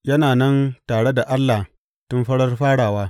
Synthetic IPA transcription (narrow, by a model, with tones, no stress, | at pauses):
jɐ˦naː˨nɐ˦ntaː˨ɽe˦da˨ʔa˦lːa˨ | tʊ˦mɸɐ˦ɽɐ˦rɸaː˦ɽaː˨waː˦